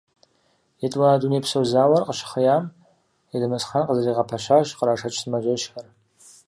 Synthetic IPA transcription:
itʼwadunejpʰsowzawarqʼəʃχəjam | idɨmɨsχanqʼazariʁapʰaʃʷaʃqʼɾaʂat͡ʃʰsmaʒʷɪʃxar

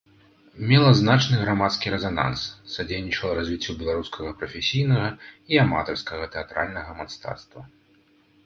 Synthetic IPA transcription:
mʲɛlˠɐznat͡ʂnɨɣɾamat̪skʲiɾɛzana̰nssad͡zʲejnʲit͡ʂɐlˠɐɾazʲvʲit͡sʲːubʲɛlˠaɾuskʰɐɣɐpɾɐfʲesʲijnɐɣɐiama̰t̪ɐrskɐɣɐt̪ɛat̪ɾa̰lʲnɐɣɐmast̪a̰t̪st̪vɐ

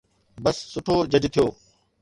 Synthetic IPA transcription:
bɐsːʊʈʰoːd͡ʑəd͡ʑt̪ʰijoː

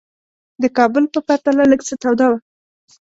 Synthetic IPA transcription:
d̪əkɑbəlpəpaɾt̪alaləɡt͡sət̪awd̪ɑwa

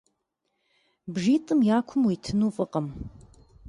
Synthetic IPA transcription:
bʒiːtʼɨmjaːkʷʰʊmwitʰɨnuːfʼɨqʼəm

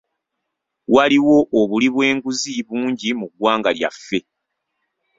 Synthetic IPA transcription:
waliwo̞ʔːβuliβwe̞ːŋɡuziβuːɲɟimuɡwaːŋɡalja̰fːe̞

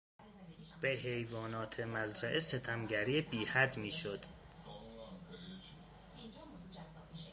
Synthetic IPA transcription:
b̥eɦejvɒːnɒːt̪ʰemæzɾæʔese̞t̪ʰæmɟæɾiːebiːhæd̪miːʃod̪̥

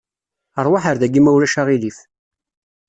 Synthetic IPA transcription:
əɾˤwaħəɾðæɡimæwlæʃaʁilif

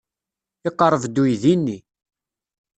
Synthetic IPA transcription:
ɪqːəɾˤəvd̪ujðinːi

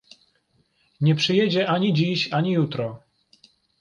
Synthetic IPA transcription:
ɲɛpʂɘjɛd͡ʑɛʔaɲid͡ʑiɕaɲijut̪ɾɔ

